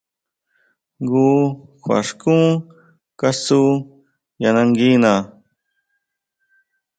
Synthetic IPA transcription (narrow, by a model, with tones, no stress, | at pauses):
ɡuː˦xwa̰˨ʂkũ˦ | ka˦su˦ | ja˨na˧ŋɡi˦na˨